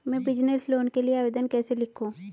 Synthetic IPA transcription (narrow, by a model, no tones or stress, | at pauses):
mɛ̃ːbɪd͡ʒnəsloːnkelieaːʋeːd̪ənkɛːselɪkʰũː